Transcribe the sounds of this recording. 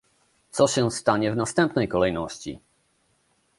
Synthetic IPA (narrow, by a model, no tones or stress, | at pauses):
t̪sɔɕɛst̪aɲɛvnast̪ɛmpnɛjkɔlɛjnɔɕt͡ɕḭ